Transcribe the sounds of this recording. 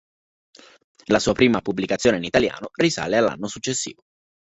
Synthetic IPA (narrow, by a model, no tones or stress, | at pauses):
lasuːapɾiːmapublikat̪sːjoːneinit̪alja̰ːnorisa̰ːlealːa̰nːosut͡ʃːesːḭːvo